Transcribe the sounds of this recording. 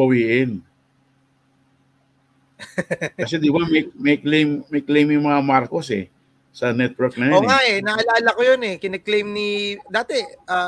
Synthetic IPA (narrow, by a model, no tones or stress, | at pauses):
bɐwiːʔɪn | kɐs̬ɛd̪ɪbamejmɐklejmːɐklejmjʊŋmɐŋamaɾkosɛ̰ | sɐnɛt̪̚wɛɹk̚nɐjoːŋaʔɛnɐʔɐlaːɐlɐkojonɛkɪnɐɡ̚klejmnid̪aːt̪ɛʔa